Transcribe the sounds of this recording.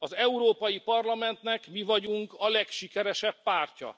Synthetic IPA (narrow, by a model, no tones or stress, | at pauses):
ɒzɛuɾoːpɒjipɒrlɒmɛnt̪nɛkmivɒɟuŋkɒlɛkʃikɛɾɛʃɛpːaːrcɒ̰